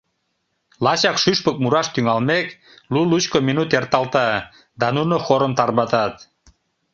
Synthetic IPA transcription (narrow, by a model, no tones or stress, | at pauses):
lɑt͡ɕɑkʃyʃpək̚muɾɑʃt̪yŋɑlmek | lulut͡ɕkominut̪ert̪ɑlt̪ɑ | d̪ɑnunoxoɾəmt̪ɑrβɑt̪ɑt̪